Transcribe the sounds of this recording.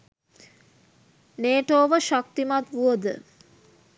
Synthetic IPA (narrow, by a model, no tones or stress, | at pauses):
neːʈoːʋəʃak̚t̪imat̪ʋuəd̪ə̰